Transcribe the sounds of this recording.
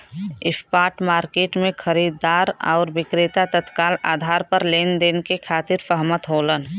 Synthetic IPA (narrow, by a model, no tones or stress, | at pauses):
ɪspaːʈmaːɾkeːʈmẽkʰəɾiːd̪aːɾɔ̰ːɾbɪkɾɪt̪at̪ət̪kaːla̰ːd̪ʱaːɾpəɾleːnd̪eːnkekʰaːt̪ɪɾpəɦmət̪ɦoːlən